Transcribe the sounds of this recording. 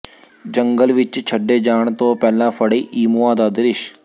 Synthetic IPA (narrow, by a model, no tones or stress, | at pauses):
d͡ʒəŋɡəlʋɪt͡ʃt͡ʃʰəɖːeːd͡ʒaːɳt̪õːpɛːlãːpʰəɽiːʔiːmoːãːd̪aːd̪ɪɾɪʃ